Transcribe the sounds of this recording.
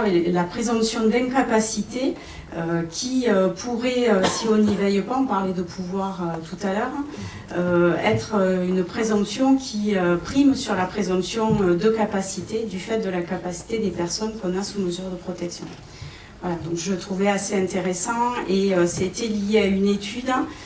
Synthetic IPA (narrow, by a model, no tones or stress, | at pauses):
lapχezɑ̃sjɔ̃d̪ɛ̃kapasit̪e | økʲiøpʰuʁɛøsiɔ̃nivɛjpaɑ̃paʁled̪əpʰuvwaʁøt̪ut̪alœʁ | øɛt̪χəynpχezɑ̃sjɔ̃kʲʰiøpχimsyʁlapχezɑ̃psjɔ̃ød̪əkapasit̪ed̪yfɛt̪̚d̪əlakapasi̥t̪ed̪epɛʁsɔnkɔ̃nasuməzyʁd̪əpχɔt̪ɛksjɔ̰̃ | vwalad̪ɔ̃kʒəət̪χuvɛaseɛ̃t̪eʁesɑ̃eøsaet̪elijeaynet̪ʰyd̪